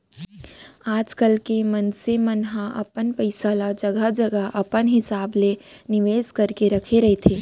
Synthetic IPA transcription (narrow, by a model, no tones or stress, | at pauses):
aːd͡ʒkəlkemɐnsemɐnɦãʔɐ̰pənpɐɪsalad͡ʒɐɡad͡ʒɐɡaʔɐpənɦɪsaːblenɪʋeːzkɐɾkeɾɐkʰeɾɐɦet̪ʰeː